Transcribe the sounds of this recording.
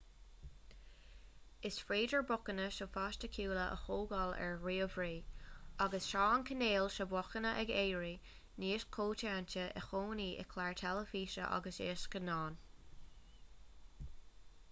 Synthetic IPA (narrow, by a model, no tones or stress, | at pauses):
ɪsfɹeːdəɹbʊkənəʃofaːʃtəkʰuːləʔə̰xoːɡalɛ̰ɹɹiːəvɹiːaɡəsʃɑːankʰəneːlʃəbɔxənəʔɛɡeːɹi | niːʃkʰoːtaːntəʔə̰xoːniːʔɛ̰kʰlaɹt̪ʰɛləfiːʃə̰ʔa̰ɡəsḛːʃkənɑːn